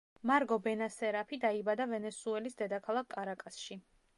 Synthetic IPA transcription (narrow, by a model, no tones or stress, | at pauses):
maɾɡɔbɛnasɛɾapʰid̪aibad̪avɛnɛsuɛlisd̪ɛd̪akʰalˠakʰkʼaɾakʼasʃi